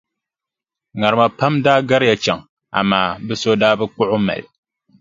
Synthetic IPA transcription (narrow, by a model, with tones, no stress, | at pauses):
ŋa˨ɾɨ˨ma˨pa˦mdaː˦ɡa˦ɾɪ˦ja˨t͡ʃa˨ŋ | a̰˨maː˨bɨ˦so˦daː˦bɨ˦k͡pʊ˦ʔʊ˦ma̰˨lɪ˨